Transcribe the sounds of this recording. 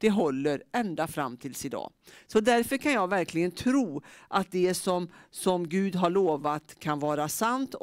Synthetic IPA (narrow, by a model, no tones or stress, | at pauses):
d̪̥ɛɦɔlːəɾɛnd̪afɾa̰mːt̪ʰɪlsɪd̪ɑ̰ːsɔd̪æɾfœkʰanjɑːɡvæɾkʰlɪɡənt̪ʰɾuːʔat̪̚d̪ɛsɔmsɔmɡʉ̟ːd̪ɦaɭoːvat̪kʰanvɑːɾasant̪